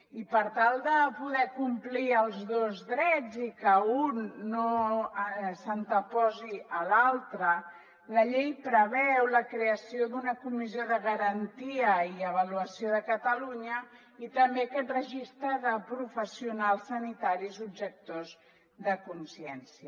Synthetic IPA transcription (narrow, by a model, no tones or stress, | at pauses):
ipəɾt̪alˠd̪əpuðɛkumpliəlˠzðozðɾɛd͡zikəunːo | sənt̪əpɔziəlalˠt̪ɾə | ləʎejpɾəβɛwləkɾeəsiod̪unəkumizioðəɣəɾənt̪iəiəβ̞əluəsioðəkət̪əluɲə | it̪əmbeəkɛt̪rəʒist̪ɾəðəpɾufəsiunalˠsːənit̪aɾizubʒək̚t̪oz | ðəkunsiɛnsiə